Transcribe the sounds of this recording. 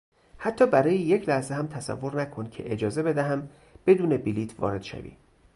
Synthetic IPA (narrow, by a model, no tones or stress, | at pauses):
hæt̪ʰːɒːbæɾɒːjeje̞cʰlæhzeɦæmt̪ʰæsæ̰vːo̞ɾnækʰoncʰe̞̰ʔed͡ʒɒːze̞be̞d̪æɦæm | b̥e̞d̪uːne̞biliːt̪ʰvɒ̰ːɾe̞d̪̥ʃæ̰vḭː